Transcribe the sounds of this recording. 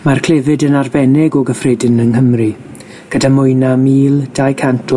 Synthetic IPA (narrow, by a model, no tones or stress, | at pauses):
markʰl̥ˠevɨdənarbɛnɛɡɔɡəfrɪdɪnənɦəmri | ɡ̥ədamʊjnamiːlˠd̥ajkʰantʰɔ